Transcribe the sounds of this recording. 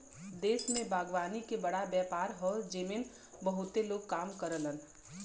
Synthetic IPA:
d̪eːsmẽbʱaːɡʋaːnikebɐɽabjɛːpaːɾɦɔd͡ʒemiːn | bəɦʊt̪eloːɡ̚kaːmkəɾələn

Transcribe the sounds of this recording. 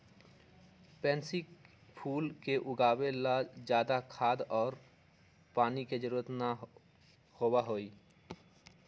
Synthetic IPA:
pɛ̃ːnsik | pʰuːlkeʔʊɡaːwelad͡ʒjaːd̪akʰaːd̪ɔːɾ | paːniked͡ʒəɾuət̪na | howaɦoːiː

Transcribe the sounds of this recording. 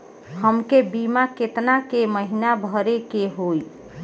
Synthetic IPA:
ɦəmkebimaket̪nakeməɦinabʱəɾekeɦoj

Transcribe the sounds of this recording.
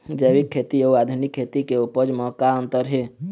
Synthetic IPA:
d͡ʒəjbikʰːet̪iouad̪ʱunikʰːet̪ikeupəd͡ʒmɔkaənt̪əɾɦe

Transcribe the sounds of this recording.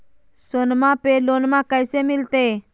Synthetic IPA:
sonmãpeloːnmãkəɪseːmɪlt̪eː

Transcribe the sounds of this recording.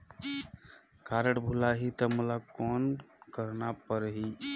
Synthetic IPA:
kaɾəʈbʱulaɦit̪əmulakɔnkəɾnapəɾɦi

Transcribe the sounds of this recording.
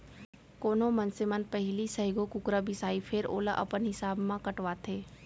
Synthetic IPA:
koːnõmənsemənpɛɦlisɐɦɪɡokʊkɾabʱɪsaːipʰɪɾo̰ːlaʔɐ̰pənɦɪsaːbmãkɐʈʋaːt̪ʰeː

